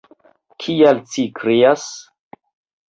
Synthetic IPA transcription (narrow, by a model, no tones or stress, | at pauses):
kʰialt͡ʃikʰɾeas